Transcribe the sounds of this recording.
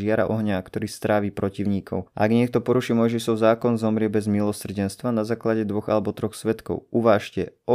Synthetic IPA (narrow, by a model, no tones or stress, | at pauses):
ɪaɾa̰ʔɔɦɲakt̪ɔɾiːst̪ɾaːʋiːpɾɔciʊɲiːkʰɔ̰ʊʔa̰aɡɲɪɛk̚t̪ɔpɔɾuʃiɛmɔjʒiʃɔʊzaːkɔnzɔmɾɪɛbɛzmilɔsr̩ɟɛnst̪ʋanazaːklaɟɛd̪ʋɔɣa̰lɛbɔt̪ɾɔxsʋɛt̪kɔ̰ʊuʋaːʃcɛ̰ʔɔ